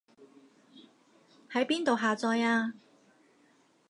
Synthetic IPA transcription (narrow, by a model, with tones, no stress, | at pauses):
hɐ˨˥jpiː˥nt̪o˨wɦaː˨t͡sɔː˧jaː˧